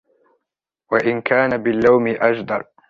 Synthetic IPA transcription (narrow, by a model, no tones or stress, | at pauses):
waʔɪnkaːnabɪlːawmɪʔad͡ʒd̪ɑɾˤ